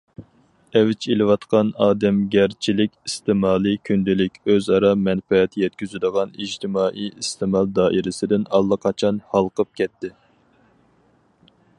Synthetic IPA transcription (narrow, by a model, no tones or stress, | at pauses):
ɛvɪt͡ʃʰelɪwɑt̪qʰɑnɑːd̪ɛmɡʲæɾt͡ʃʰilɪkʲist̪ɪmɑːlˠikʲʰynd̪ɪlɪkʲøzɑɾɑmɛnfɛɛt̪ʰjɛt̪̚kʲyzyd̪əʁɑnid͡ʒt̪ʰɪmɑːʔijist̪ʰɨmɑlˠd̪ɑːʔiɾɪsɪd̪ɪnɑlˠːəqʰɑt͡ʃʰɑnhɑlˠqəp̚kʲʰɛt̪ʰːɪ